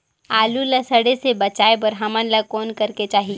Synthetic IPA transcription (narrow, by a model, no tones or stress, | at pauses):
aːluləsəɽesebɐt͡ʃaːebəɾɦɐmənləkoːnkəɾket͡ʃaːɦi